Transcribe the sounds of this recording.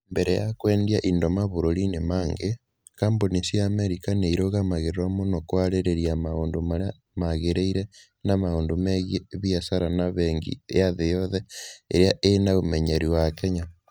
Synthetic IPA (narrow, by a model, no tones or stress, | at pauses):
mbeɾɛja̰kweːndiaʔindomaβoɾoɾinemaːŋɡe | kaːmbonisiaːmeɾikaneiɾoɣamaɣeɾɾomonokwaɾeɾeɾiamaoːndomaɾ | maɣeɾeiɾe | namaoːndomeɣjeβiasaɾanaβeːŋɡḭeaðejɔðeeɾeaʔenaomeɲeɾiwakeɲa